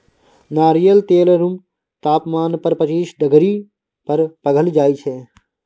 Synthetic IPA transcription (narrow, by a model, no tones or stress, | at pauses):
naːɾijəlt̪eːlɾum | t̪aːpmaːnpɐɾpət͡ʃiːsɖəɡɾi | pɐɾpɐɡʱəld͡ʒaːit͡ʃʰeː